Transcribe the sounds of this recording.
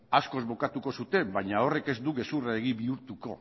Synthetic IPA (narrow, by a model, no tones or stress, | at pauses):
asko̞zβo̞kat̪uko̞sut̪e̞mbaɲao̞re̞ke̞zd̪uɣe̞suraeɣ̞iβiuɾt̪uko̞̰